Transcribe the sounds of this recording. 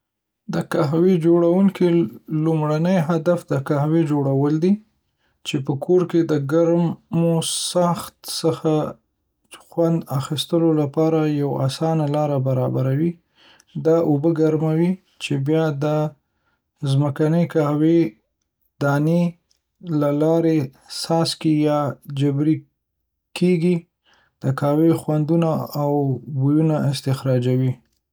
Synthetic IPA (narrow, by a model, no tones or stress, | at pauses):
d̪əkaɦwed͡ʒoɽawuŋkilumɽanəjɦad̪afd̪əkahwed͡ʒoɽawəld̪i | t͡ʃepəkʰoɾked̪əɡaɾmmosaxt̪səxa | xwand̪axist̪əlolapɑɾajawa̰sɑnalɑɾabaɾɑbaɾawi | d̪ɑʔobəɡaɾmawi | t͡ʃebjɑd̪ə | zməkanəjkawe | d̪ɑne | lalɑɾe | sɑskijɑd͡ʒabɾi | kʰeɡi | d̪̥əkɑwexwand̪unaawbujunaɪst̪ɪxɾɑd͡ʒawi